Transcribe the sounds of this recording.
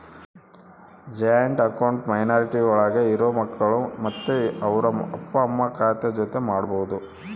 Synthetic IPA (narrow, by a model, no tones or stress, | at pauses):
d͡ʒɐjɐɳʈɐkɐwɳʈmɐjnaːɾiʈiɐɭaːɡeiɾoːmɐkːɐɭumɐt̪ːeɐʋɐɾɐɐpːɐːmːɐkaːt̪ɐd͡ʒot̪e̞maːɽboːud̪u